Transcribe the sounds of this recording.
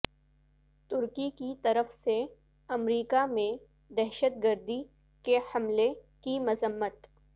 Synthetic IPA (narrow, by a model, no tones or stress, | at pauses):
t̪ʊɾkikit̪ɐɾəfse | ɐmɾiːkamẽ | d̪ɛɦʃət̪̚ɡəɾd̪i | kehɐmlekimɐzəmːət̪